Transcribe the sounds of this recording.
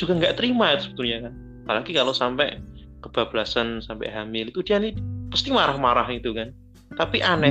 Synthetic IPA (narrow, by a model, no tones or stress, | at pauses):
d͡ʒuɡaŋɡaʔt̪əɾimait̪usəb̥ə̥t̪urɲakan | palaɡikalosampɛ̰ʔ | kəb̥ab̥lasansampɛ̰ʔɦamɪlit̪ud̥ianipast̪imaɾahmaɾahit̪ukan | t̪apiʔanɛ